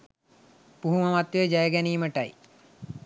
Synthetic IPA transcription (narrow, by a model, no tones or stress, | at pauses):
puɦuməmat̪jejd͡ʒajəɡæniːməʈaj